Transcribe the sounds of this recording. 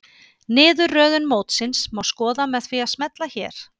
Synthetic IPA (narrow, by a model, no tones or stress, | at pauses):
nɪːðʏrːœːðʏnmoːwt̪sɪnsmawskɔːðamɛðfiaðsmɛt̪laçɛːɾ̥